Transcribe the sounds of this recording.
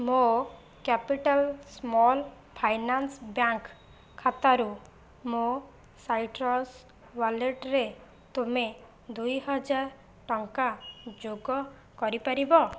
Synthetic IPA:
mo | kapiʈalsmɔl | pʰajnansbjaŋk | kʰːat̪aɾu | mo | sajʈɾɔs | baleʈɾe | t̪ume | d̪ujɦɔd͡ʒaɾ | ʈɔŋkad͡ʒoɡɔ | kɔɾipaɾibɔ

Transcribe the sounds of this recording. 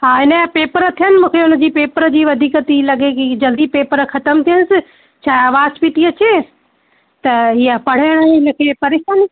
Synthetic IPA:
ɦaːɦɪnəapeːpəɾə̆t̪ʰijənɪ̆mũːkʰeʊnə̆d͡ʑiːpeːpəɾəd͡ʑiːʋɐd̪ʱiːkət̪ilɐɠekid͡ʑɐld̪ipeːpəɾxɐt̪əmt̪ʰiənɪsɪ | t͡ɕʰaːɦaːʋaːzpit̪ʰiɐt͡ɕe | t̪ɐɦiəpɐɽ̤aːɽ̃əɪnə̆kʰeːpɐɾeːʃaːni

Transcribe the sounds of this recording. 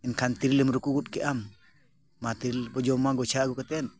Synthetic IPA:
ɛnkʰant̪iɾilemɾukuɡut̚kɛʔamː | at̪iɾilbɔd͡ʒɔmaɡɔt͡ʃaɡukat̪ɛn

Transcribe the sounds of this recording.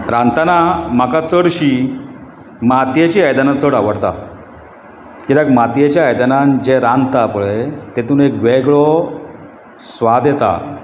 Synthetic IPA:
ɾãnt̪anam̤akat͡səɽɕi | mat̪jet͡ɕiajd̪anat͡səɽaʋəɽt̪a̰ | kid̪akmat̪jet͡ɕjajd̪anand͡ʑeɾãnt̪apuɭet̪et̪uːnek̚ɡʋɛɡɭɔ | sʋad̪jet̪a̰

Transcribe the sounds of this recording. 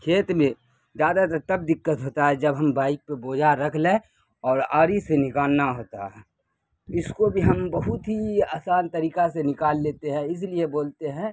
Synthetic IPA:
kʰeːt̪mẽ | zjaːd̪at̪ɐt̪ɐb̚d̪ɪkːət̪ɦoːt̪aɦɛd͡ʒɐbɦɐmbaːɪk̚peboːd͡ʒʱaɾɐkʰlẽ | ɔːɾaːɾisenɪkaːlnaɦoːt̪a̰ɦɛ | ɪskobʱiɦɐmbɐɦʊt̪ɦiaːsaːnt̪əɾiːkasenɪkaːlːeːt̪eɦɛ̃ɪs̬lieboːlt̪eɦɛ̃ː

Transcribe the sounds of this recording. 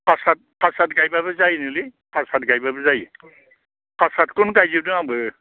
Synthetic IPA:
pʰasat̚pʰasatɡajbabɯzajnɯlipʰasatɡajbabɯzaj | pʰasatkunkajzibdɯabɯ

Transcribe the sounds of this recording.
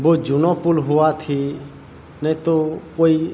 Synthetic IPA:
boːd͡ʒunɔpulɦʊʋat̪ʰi | nə̃t̪okoi

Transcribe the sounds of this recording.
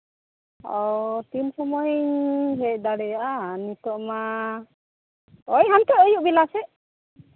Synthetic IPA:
ɔwt̪insɔmɔjɦɛc̚d̪aɽɛjaʔanit̪ɔʔma | ɔjɦamt̪ɛɔjuʔbilasɛ

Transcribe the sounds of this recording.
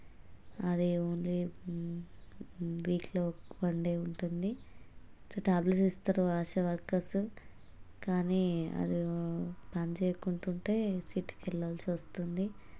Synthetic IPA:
ɐd̪ioːnli | ʋiːkloːpɐɳɖe̞ːuɳʈund̪i | toʈaːbleʈist̪aɾuaːʃɐʋɐɾkɐsu | kaːniːɐ̰d̪ipant͡ʃeːkuɳʈuɳʈeːsiːʈːkɛɭːaːlsiʋɐst̪und̪i

